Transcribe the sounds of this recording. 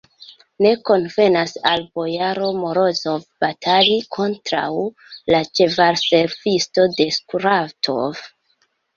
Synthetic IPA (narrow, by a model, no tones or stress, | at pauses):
ne̞ko̞nve̞nasalbo̞jaɾo̞moɾo̞zo̞vbatʰalikʰo̞ntɾa̰w | lat͡ʃe̞vaɾse̞ɾvisto̞de̞skɾaftʰo̞̰v